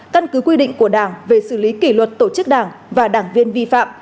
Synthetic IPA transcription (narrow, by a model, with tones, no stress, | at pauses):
kə˧nkɨ˨˦kwi˧ɗḭ̈˧˨ŋ̟ku˧˩əɗaː˧˩ŋve˨˩sɨ˧˩li˨˦ki˧˩lwə˨˩t̚t̪o˧˩t͡ɕɨ˦˥k̚ɗaː˧˩ŋvaː˨˩ɗaː˧˩ŋvi˧ənvi˧fa̰ː˧˨m